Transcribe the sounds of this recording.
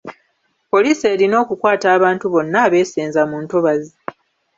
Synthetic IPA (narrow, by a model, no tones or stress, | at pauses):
po̞liːse̞ːɾino̞ːkukwaːtaːβaːntuβo̞nːaːβe̞ːseːnzamuːnto̞βazi